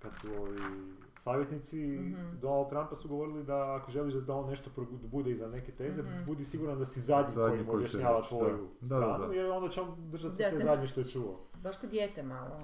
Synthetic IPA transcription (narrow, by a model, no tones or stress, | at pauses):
kad̪suoi | saːʋjet̪nit̪sid̪o̞nalˠd̪̚t̪ɾampasuɡoʋo̞ɾilid̪aːkoʒeliʒd̪d̪ao̞nːe̞ʃt̪o̞pɾobud̪eizane̞ke̞t̪e̞ːze̞bud̪isiɡuɾand̪asizad̪ɲikojiimobjaʃɲaːʋat̪ʋo̞juɾaːnujeɾo̞nd̪at͡ɕeond̪r̩ʒat̪set̪ozad̪ɲeʃt̪o̞jet͡ʃuʋa | baʃkod̪jeːt̪emalo